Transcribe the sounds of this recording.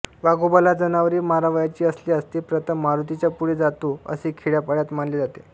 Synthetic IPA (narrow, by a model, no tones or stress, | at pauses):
ʋaɡubalad͡zənaʋəɾiːmaɾaʋəjat͡ɕiːəsliːəst̪iːpɾət̪ʰəmːaɾut̪it͡ɕjapuɽiːd͡zat̪uə̰siːkʰiɽjapəɽjat̪manleːd͡zat̪e